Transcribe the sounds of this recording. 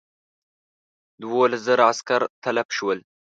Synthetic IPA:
d̪wolazəɾaaskaɾt̪ʰalabʃwəl

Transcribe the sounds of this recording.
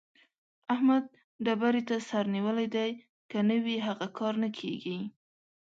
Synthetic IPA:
ahmad̪̚ | ɖabaɾet̪asaɾniwəlajd̪aj | kənəwiɦaɣakʰɑɾnakʰeɡi

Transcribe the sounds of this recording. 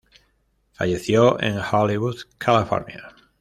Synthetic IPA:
fa̰ʎeθjoʔḛ̃ŋholiβuðkʰalifo̰ɾnja̰

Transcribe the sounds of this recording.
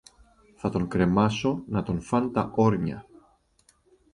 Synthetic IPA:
θɐt̪o̞ŋkɾe̞mɐso̞nɐt̪o̞nfɐnt̪ɐ̰ʔoɾɲɐ̰

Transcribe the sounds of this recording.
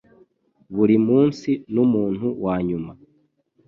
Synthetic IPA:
βuɾimuːnsinumuːn̥huwaːɲuma

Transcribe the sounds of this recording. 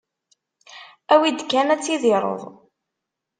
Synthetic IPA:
æwid̪kænæt͡sːiðiɾˤə̰ðˤ

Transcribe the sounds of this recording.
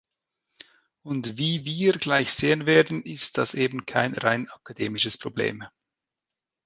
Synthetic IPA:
ʊntviːviːɡlaɪçz̥eːənveːɐdn̩ɪst̚d̥ɑseːbn̩kʰaɪnʁaɪnɑkadeːmɪʃəspʁ̥oblḛːm

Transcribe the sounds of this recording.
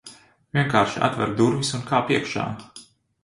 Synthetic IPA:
vʲiɛŋkaːɾʃia̰t̪vɛ̰ɾd̪uɾvisunkʰaːpiɛkʃa̰ːm

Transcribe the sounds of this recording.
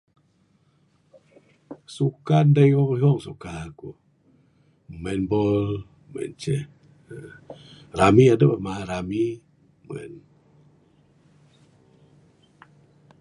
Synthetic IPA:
sukandajbabɔhɔŋsokaːku | mɛnbol | mɛ̰nt͡ɕe | ɾaːmiːʔadabamaːɾamiː | mɛ̰n

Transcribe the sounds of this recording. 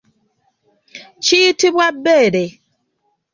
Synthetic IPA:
t͡ʃiːtibwabeɾe

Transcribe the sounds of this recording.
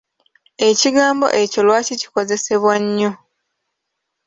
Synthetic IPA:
e̞ciɡaːmbo̞̰ʔe̞co̞lwaːcici̥ko̞ze̞se̞βwaɲːo̞

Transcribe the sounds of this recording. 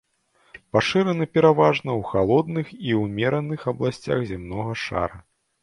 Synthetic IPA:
paʂɨɾɐnɨpʲɛɾavaʐnɐwxalˠɔd̪nɨxiwmʲɛɾɐnɨxɐblˠasʲt͡sʲa̰ɣzʲimnɔɣɐʂa̰ɾɐ

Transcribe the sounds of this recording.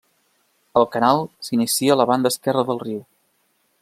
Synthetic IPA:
əlˠkənalˠsinisiələβand̪əskɛrəðəlˠriw

